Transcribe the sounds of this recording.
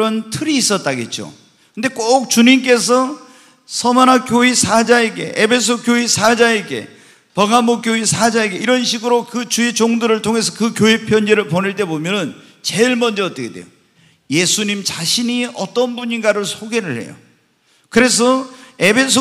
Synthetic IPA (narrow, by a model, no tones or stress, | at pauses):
ɾʌntʰɯɾiːs͈ʌt̚t͈aɡet̚t͡ɕ͈o̰ | kɯnde̞k͈ok̚t͡ɕuɲimk͈e̞sʰʌ | sʰʌmanakjoisʰad͡ʑaeɡe̞̰ʔebʰe̞s̬ʰokjoisʰad͡ʑaeɡe̞̰ | pʌɡamok͈joisʰad͡ʑaeɡeiɾʌnɕʰiɡɯɾokɯt͡ɕuet͡ɕoŋdɯɾɯɭtʰoŋe̞s̬ʰʌkɯkjoipʰjʌnd͡ʑe̞ɾɯɭponeɭt͈e̞bomjʌnɯn | t͡ɕe̞ɭmʌnd͡ʑʌːt͈ʌkʰed̥wḛjo | je̞sʰuɲimt͡ɕaɕʰiniʌt͈ʌnbuɲinɡaɾɯɭsʰoɡe̞ɾɯɭhe̞̰jo̰ | kɯɾe̞s̬ʰʌe̞bʰe̞sʰo